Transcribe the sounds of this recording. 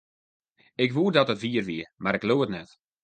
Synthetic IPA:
ɪkʋuədɔtətviərʋiəmaɾɪkloːətnɛt

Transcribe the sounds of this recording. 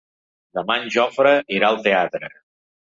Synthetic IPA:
d̪əmanʲʒɔfɾəʔiɾaəlˠt̪eat̪ɾə̰

